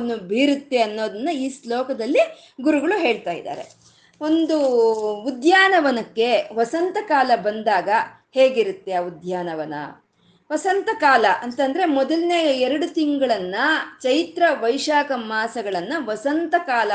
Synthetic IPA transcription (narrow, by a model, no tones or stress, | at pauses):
nːubiːɾut̪ːe̞ɐnːo̞ːd̪ɐnːɐiːslɔːkɐd̪ɐlːi | ɡuɾuɡɐɭuɦe̞ːɭt̪aːjḭd̪a̰ːɾe | o̞nd̪uud̪jaːnɐʋɐnɐkːe̞ʋɐsɐnt̪ɐkaːlɐbɐnd̪aːɡɐ | heːɡiɾut̪ːe̞aud̪ʱjaːnɐʋɐnɐ̰ | ʋɐsɐnt̪ɐkaːlɐʔɐnt̪ɐnd̪ɐɾe̞mɔd̪ɐlneːjɐɛɾɐɽut̪iŋɡɐɭɐnːɐt͡ʃɐjt̪ɾɐʋɐjʂaːkɐmaːsɐɡɐɭɐnːɐʋɐsɐnt̪ɐkaːlɐ